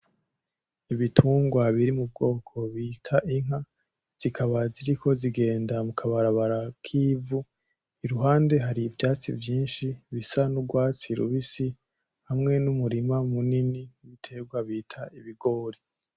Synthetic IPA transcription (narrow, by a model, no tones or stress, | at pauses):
iβitʰuːŋɡwaβiɾimub̚ɡo̞ːkʰo̞βiːtʰaʔiŋ̥ɦa | z̥ikʰaβaziɾikʰo̞ziɡe̞ːndamukʰaβaɾaβaɾakʰiːvu | iɾuɦaːnde̞ɦaɾiːvjaːt͡sḭvjiːnʃiβisanuɡwaːt͡siɾṵβisi | hamŋe̞numuɾimamuniniβitʰe̞ɡwaβiːtʰaiβiɡo̞ːɾi